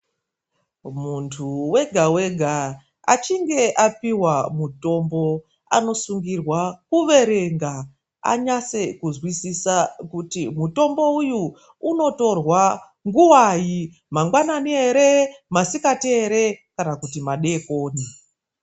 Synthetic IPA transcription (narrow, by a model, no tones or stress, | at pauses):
muntʰuwe̞ɡʱawe̞ɡʱa | a̰t͡ʃiŋɡe̞ʔapiwamuto̞mbo̞ | a̰no̞suŋɡirwakuʋe̞ɾe̞ŋɡa | a̰ɲase̞kuzwisisakutimuto̞mbo̞ujuː | no̞to̞rwa | ŋɡuwaji | maŋɡwananieɾemasikateːɾe̞kanakutimaɗe̞ko̞ːni